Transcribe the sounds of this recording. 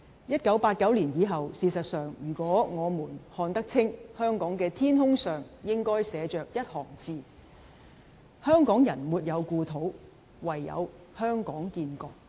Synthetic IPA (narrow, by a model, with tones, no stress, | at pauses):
jɐ˥t̚kɐ˨˥wpaː˧t̚kɐ˨˥wliː˨˩njiː˨˧ɦɐ˨wsiː˧sɐ˨t̚sœː˨ŋjyː˨˩kʷɔː˨˥ŋɔː˨˧muː˨˩nhɔː˧nt̪ɐ˥k̚t͡sʰɪ˥ŋhœː˥ŋkɔː˨˥ŋkɛː˧t̪ʰiː˥nɦʊ˥ŋsœː˨ŋjɪ˥ŋkɔː˥jsɛː˨˧t͡ʃœː˨k̚jɐ˥t̚hɔ̰ː˨˩ŋt͡siː˨˧ | hœː˥ŋkɔː˨˥ŋjɐ˨˩nmuː˨t̚jɐ˨˧wkuː˧t̪ʰo˨˥w | wɐ˨jːɐ̰˨˧w | hœː˥ŋkɔː˨˥ŋkiː˧nkɔː˨˧k̚